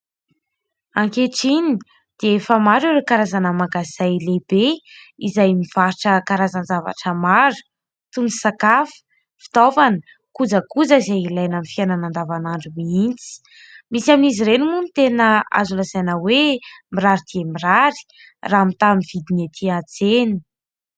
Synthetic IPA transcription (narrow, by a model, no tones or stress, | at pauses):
aŋkeʈ͡ʂini | d̪̥eefəmaɾiɾekaɾazanəmaɡazajleb̥eizajmiv̥aɾiʈ͡ʂəkaɾazanzava̰ʈ͡ʂəmaɾu̥ | t̪uni̥sakafə̥ | fi̥t̪ovanə | kud͡zəkud͡zaizajilajnamifiananand̪avanaɳɖ͡ʐumiint͡si̥ | misaminiziɾenimunit̪enəa̰zulazajnəwemiraɾid̪̥iemiraɾi̥ | raːmit̪amiv̥id̪inet̪ʰiat͡seni̥